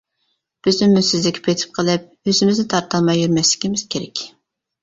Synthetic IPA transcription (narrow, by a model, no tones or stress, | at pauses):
b̥ɪznɪmːysɪzlɪkʲʰi̥pʰejt̪ʰɪ̥p̚qʰəlˠɨp̚ | øzɪmɪznɪt̪ʰɑɾt̪ɑlˠmɑjːyɾmɛslɪ̥kʲimɪz̥kʲʰeɾɛkʲ